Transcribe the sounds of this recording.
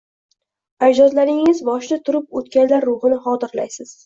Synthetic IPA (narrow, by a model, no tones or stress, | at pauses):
ad̪ɒzlaɾɪŋɪzbɒʃd̪at̪ʰʊɾɪp̚ot̪kʲanlaɾːʊhɨnɪχɒt̪ɪɾlajsɪz̥